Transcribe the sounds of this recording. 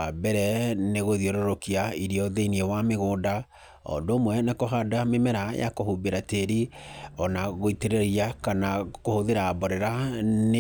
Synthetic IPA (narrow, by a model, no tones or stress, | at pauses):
abɛɾɛneɣoðioɾoɾokiaiɾiɔðeiniewameɣoːda | ɔ̰doːmwɛnakoɦadamemɛɾaja̰kohubeɾateɾiɔnaɣoiteɾeɾiakanakohoðeɾaːbɔɾɛɾan